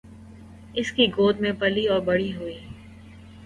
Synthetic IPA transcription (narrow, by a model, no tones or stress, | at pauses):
ɪskiɡoːd̪mẽpɐliɔːɾbɐɽiɦuiː